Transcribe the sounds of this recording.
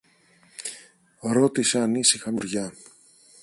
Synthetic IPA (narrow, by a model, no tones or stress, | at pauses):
ɾo̞t̪iseɐnisixɐmuɾʝɐ